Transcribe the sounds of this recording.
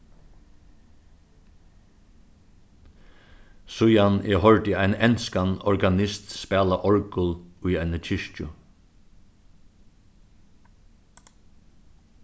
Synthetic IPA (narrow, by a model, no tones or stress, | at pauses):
sʊjanʔɛɦɔɹt̪ɪaɪnɛnskanɔɹɡanɪst̪spɛːlaʔɔɹkʊlʊjajnət͡ʃʰɪʃt͡ʃʊ